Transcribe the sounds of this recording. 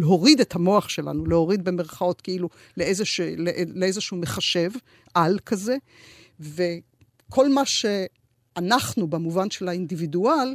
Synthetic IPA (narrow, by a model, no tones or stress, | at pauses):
leɦo̞ʁidetʰhamo̞aχʃe̞la̰nuleho̞ʁid̪̚beme̞ʁχao̞tkeilu | leezeʃeleʔeleezeʃuume̞χaʃe̞v | alkʰaze̞ | ve̞ | kʰo̞lmaʃe | anaχnubemuvanʃe̞laindividual